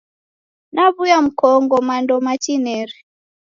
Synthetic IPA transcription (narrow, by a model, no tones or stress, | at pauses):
naβujam̩kɔŋɡɔmandɔmat͡ʃinɛɾi